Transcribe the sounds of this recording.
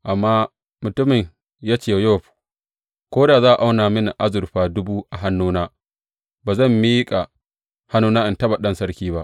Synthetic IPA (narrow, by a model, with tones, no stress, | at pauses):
ʔa˨mːaː˦ | mʊ˨tʊ˦mɪ˨ɲ | jaː˦t͡ʃeː˨˦jo˦˨ɸu̥˨ | kʷoː˦daː˨zaː˦ʔa˨ʔa˦wnaː˨mɪ˦na˨ʔa˦zʊ˨ɾɸaː˦dʊ˦buː˦ʔa˨ɦa˦nːuː˦naː˦ | baː˨zɐ˦˨mːiː˦kʼa˨ | ha˦nːuː˦naː˦ʔɪ˨ntɐ˦ba˨ɗɐ˦nsɐ˦ɽkʲiː˦ba˦ʔ